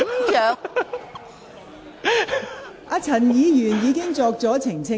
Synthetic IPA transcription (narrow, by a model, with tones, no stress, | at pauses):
jœː˨ | ʔaː˧t͡sʰɐ˨˩njiː˨˧jyː˨˩njiː˨˧kɪ˥ŋt͡sɔː˧k̚t͡sɔː˨˥t͡sʰɪ˨˩ŋt͡sʰɪ˥